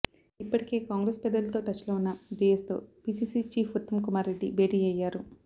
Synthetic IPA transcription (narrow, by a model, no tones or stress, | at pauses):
ipːɐʈike̞ːkaːŋɡɾeːspɛd̪ːɐlɐt̪o̞ːʈɐt͡ʃːlo̞ːunːɐɖiːest̪o̞̰ːpiːsiːsit͡ʃiːpʰut̪ːɐmkumaːɾe̞ɖːibeːɖiːɐjːaːɾu